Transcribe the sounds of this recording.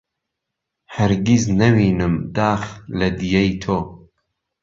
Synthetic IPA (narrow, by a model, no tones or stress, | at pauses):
hɐɾɡiznɐwiːnɨmd̪aːxlɐd̪ijejt̪ʰoː